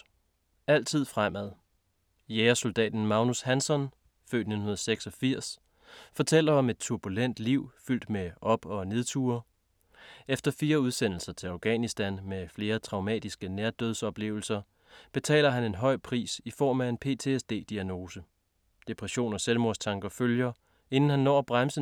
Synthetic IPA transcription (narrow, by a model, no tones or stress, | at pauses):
æl̰t͡sʰið̞̰ˠfʁamæðˠ | jeːɐso̝ld̥ɛ̰ːd̥n̩mɑ̈ʊnushænsɒ̽n | fø̰ːd̥ne̝dn̩ɦunɐð̩ˠseɡ̥sɒ̽fiɐ̰s | fɒ̽t͡sʰel̰ɐɒ̽me̝d̥̚t͡sʰuɐb̥ulen̰d̥liʊ̰fyl̰d̥meʔɒ̽b̥ɒ̽ne̝ð̞ˠt͡sʰuɐ | efd̥ɐfiːɐuð̞ˠsen̰l̩sɐt͡sʰe̝lɑ̈ʊɡ̥ɛ̰nisd̥ænmefle̝ːɐt͡sʰʁɑ̈ʊmɛ̰ːd̥isɡ̥ənæːɐd̥øð̞ˠsɒ̽b̥le̝̰ːʊl̩sɐ | b̥e̝t͡sʰɛ̰ːlɐɦæne̝nɦɒ̽ɪ̰pʰʁḭːsifɒ̰ːmæe̝npʰe̝̰ːt͡sʰe̝sd̥e̝̰ːd̥iæno̝ːsə | d̥e̝pʰʁɛɕo̝̰ːnɒ̽selmo̝ɐst͡sʰɑ̈ŋɡ̥ɐføljɐ | e̝nn̩hænːɒ̰ːb̥ʁamsə